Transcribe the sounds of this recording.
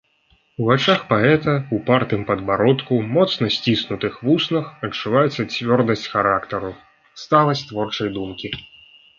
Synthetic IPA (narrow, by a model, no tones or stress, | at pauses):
uvat͡ʂaxpaɛt̪ɐupart̪ɨmpɐd̪baɾɔt̪kumɔt̪snɐsʲt͡sʲisnut̪ɨxvusnɐxɐt͡ʂːuvajɛt̪sɐt͡sʲvʲɔrd̪ɐsʲt͡sʲxaɾakt̪ɐɾu | st̪alˠɐsʲt̪vɔrt͡ʂɐjd̪umkʲi